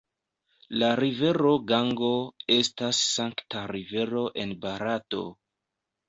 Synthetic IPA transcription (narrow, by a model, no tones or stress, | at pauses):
laɾive̞ɾo̞ɡaŋɡo̞e̞stasːaŋktaɾive̞ɾo̞ʔe̞nbaɾato̞̰